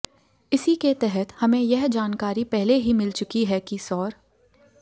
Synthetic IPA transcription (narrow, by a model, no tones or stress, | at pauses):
ɪsiket̪ɛɦət̪hɐmẽjɛɦd͡ʒaːnkaːɾipɛɦleɦimɪlt͡ʃʊkiɦɛkisɔːɾ